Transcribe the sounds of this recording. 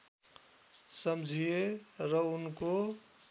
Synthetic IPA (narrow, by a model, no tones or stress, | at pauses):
səmd͡ʒʱijeɾʌunko